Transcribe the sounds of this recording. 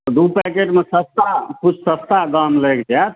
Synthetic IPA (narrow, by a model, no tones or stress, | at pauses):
d̪upɛkeʈmesəst̪aput͡ʃʰsəst̪aɡamlekd͡ʒat̪̚ʰ